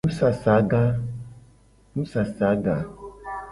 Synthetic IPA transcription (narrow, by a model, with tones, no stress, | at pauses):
nũ˦sa˨sa˨˦ɡa˦ | nũ˦sa˨sa˨˦ɡa˨